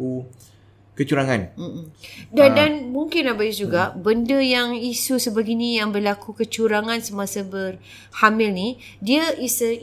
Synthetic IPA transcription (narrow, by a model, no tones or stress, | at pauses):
u | kət͡ʃuɾaŋãnm̩m̩dadanmuŋkɪnabajid͡ʒuɡaʔbəndəjaŋisusəbaɡinijaŋbərlakukət͡ʃuɾaŋãnsəmasabər | hamɪlni | diəʔisə